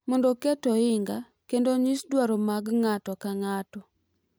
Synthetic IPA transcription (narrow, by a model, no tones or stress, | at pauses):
mɔndokɛtɔɪŋɡa | kendoɲisdwaɾomaɡŋatɔkaŋatɔ